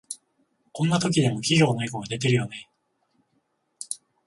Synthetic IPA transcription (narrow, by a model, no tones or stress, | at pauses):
kõ̞nːat̪o̞k̬ʲid̪e̞mo̞kʲiɡʲo̞ːnaiko̞ɡad̪e̞t̪e̞ɾɯ̟jonai